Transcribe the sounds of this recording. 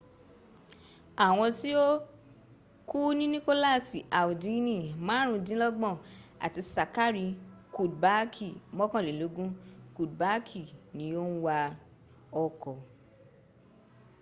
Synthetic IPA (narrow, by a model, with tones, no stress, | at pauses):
a˨w̃ɔ̃˧ti˦o˦ | ku˦nĩ˦nĩ˦ko˦la˦˨si˨ʔa˨u˨di˨˦nĩ˦˨mãː˨˦ɾ̃ũ˦˧dĩ˦lɔ˦ɡ͡bɔ̃˦˨a̰˨ti˧sa˨ka˦ɾi˧ku˨ba˨˦kʰi˦˨mɔ̃˦kɔ̃˦˨le˨lo˨˦ɡũ˦ku˨d̚ba˨˦kʰi˦˨nĩ˨˦jo˦n̩˦wa˧ | ɔ˧kɔ˨